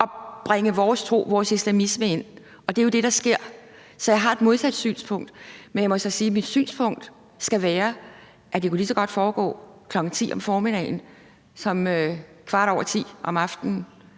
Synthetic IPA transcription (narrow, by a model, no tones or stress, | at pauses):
ʔɒ̽b̥ʁɛŋəʋɒːst͡sʰʁo̝̰ːʋɒːsislæmisməe̝n̰ | ɒ̽d̥e̝jo̝d̥e̝ɾ̥ɑ̈sɡ̥e̝ɐ̰ | sɒ̽jɑ̈ɪɦɑ̈e̝d̥mo̝ð̞ˠsæd̥sy̰ːnspʰɔ̽ŋ̰d̥menjämɒ̽sɒ̽siːmid̥sy̰ːnspʰɔ̽ŋ̰d̥ | sɡ̥æʋæːɐ | ʔæd̥e̝kulisɒ̽ɡ̥ɒ̽d̥fɒːɡ̥ɔ̰ːkʰlɒ̽ɡ̥ŋ̩t͡sʰḭːɒ̽mfɒːmid̥ɛ̰ɪn̩ | sɒ̽møkʰʋɑ̈ɾ̥ɒ̰ʊɐt͡sʰḭːʔɒ̽mɑ̈fd̥n̩